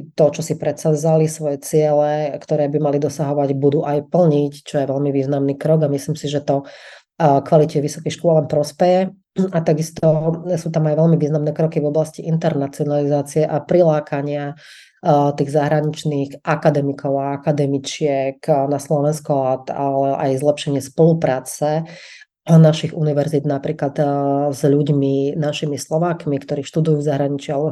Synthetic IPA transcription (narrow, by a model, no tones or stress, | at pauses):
t̪ɔt͡ʃɔsipɾɛt̪sazalisʋɔjɛt͡sɪɛlɛkt̪ɔɾɛːbimalid̪ɔsaɦɔʋaɟbud̪uːʔajpl̩ɲict͡ʃɔjɛʋɛlmiʋiːznamniːkɾɔɡamisliːmsiʒɛt̪ɔ | kʋalicɛʋisɔ̥kixʃkʊɔlɛnpɾɔspɛjɛ | at̪aɡist̪ɔsuːt̪amajʋɛlmiʋiːznamnɛːkɾɔkivɔblasciʔint̪ɛɾnat͡siɔnalizaːt͡siɛʔapɾilaːkʰaɲɪa | t̪iːɣzaɦɾaɲit͡ʃniːxʔakad̪ɛmikʰɔʊaakad̪ɛmit͡ʃɪɛknaslɔʋɛnskɔlat̪alɛʔajzlɛpʃɛɲɪɛspɔlupɾaːt͡sɛ | naʃiɣuniʋɛɾzid̪napɾiːklad̪zʎuɟminaʃimislɔʋaːkmikt̪ɔɾiːʃt̪ud̪ujuːvzaɦɾaɲit͡ʃialɛbɔ